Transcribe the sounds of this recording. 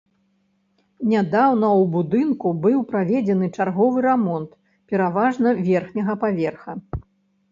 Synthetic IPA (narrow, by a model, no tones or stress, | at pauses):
nʲad̪awnɐwbud̪ɨnkubɨwpɾavʲɛd͡zʲɛnɨt͡ʂarɣɔvɨɾamɔnt̪ | pʲɛɾavaʐnɐvʲɛrxnʲɐɣɐpavʲɛrxɐ